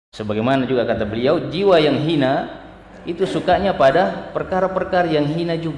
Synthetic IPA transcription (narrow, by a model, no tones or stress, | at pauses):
səbaɡajmanad͡ʒuɡakat̪abəliawd͡ʒiwajaŋɦina | it̪usukaɲapadapərkaɾapərkaɾajaŋɦinad͡ʒuɡ